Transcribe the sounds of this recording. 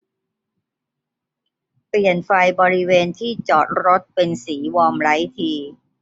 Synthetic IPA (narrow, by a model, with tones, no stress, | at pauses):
pli˨˩ənfa˧jbɔː˧ɾi˦˥weː˧nt̪ʰiː˥˩t͡ɕɔː˨˩t̪̚ɾo˦˥t̪̚pe˧nsiː˩˦wɔː˧mɾa˦˥jt̪ʰiː˧